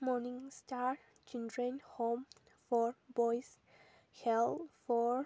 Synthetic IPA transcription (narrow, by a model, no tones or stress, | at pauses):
mɔnĩŋstaɾ | t͡ʃildɹə̃nhõm | fɔɹbɔjs | hɛlfɔɹ